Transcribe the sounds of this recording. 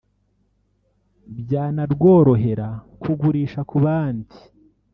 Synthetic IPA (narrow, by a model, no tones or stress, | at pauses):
bjaːnaɾɡwo̞ːɾo̞ɦe̞ɾakuɡuɾiːʃakuβaːndi